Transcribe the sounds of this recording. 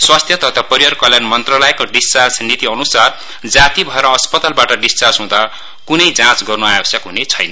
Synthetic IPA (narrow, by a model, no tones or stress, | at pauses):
swast̪ʰjʌt̪ʌt̪ʰapʌɾijʌrkʌljanmʌnt̪ralʌjkoɖist͡ʃard͡znit̪iʌnusar | d͡zat̪ibʱʌeɾʌːspʌt̪albaʈʌɖist͡sarsɦũd̪a | kunʌjd͡zãt͡sɡʌrnuajʌsjʌkɦunet͡sʰʌjnʌ